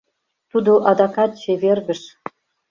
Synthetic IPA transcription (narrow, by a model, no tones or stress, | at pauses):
t̪ud̪oʔɑd̪ɑkɑt̪̚t͡ɕeverɡə̆ʃ